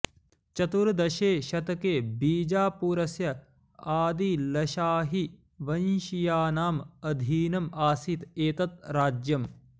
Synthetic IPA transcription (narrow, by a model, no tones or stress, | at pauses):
t͡ʃɐt̪uɾd̪ɐʃeːʃɐt̪ɐkeːbiːd͡ʒaːpuːɾɐsjɐ | aːd̪ilɐʃaːɦi | ʋɐnʃijaːnaːmɐd̪ʱiːnɐmaːsit̪eːt̪ɐt̪̚ɾaːd͡ʒjɐm